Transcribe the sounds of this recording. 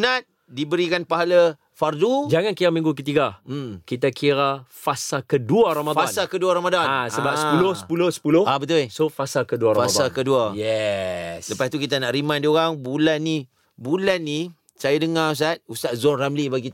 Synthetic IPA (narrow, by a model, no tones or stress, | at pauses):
nat̪̚ | dibəɾikanpaɦala | fardud͡ʒaŋankiɾamĩŋɡuk̬ət̪iɡam̩kit̪̬akʰiɾafasakəduaɾamaansakəduaɾamadaasəbapulʊhsəpulʊhsə̥pulʊhabət̪ulsofasakəduaɾaasakəduajɛsləpast̪ukit̪anaʔrimandioɣaŋbulanːi | bulanːi | sajadəŋaus̬at̪̚ust̪aʔ̚zɔramlibaɡit̪